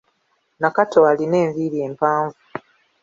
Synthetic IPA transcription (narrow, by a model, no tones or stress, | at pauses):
nakatoaline̞ːɱviɾie̞ːmpaːɱvu